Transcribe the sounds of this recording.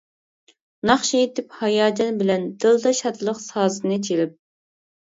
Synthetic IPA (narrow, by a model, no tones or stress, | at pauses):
nɑχʃijet̪ʰɪphɑjɑːd͡ʒɑnbɪlɛnd̪̥ɨlˠd̪ɑʃɑt̪lˠəqsɑːzɨnɨt͡ʃʰelɪp̚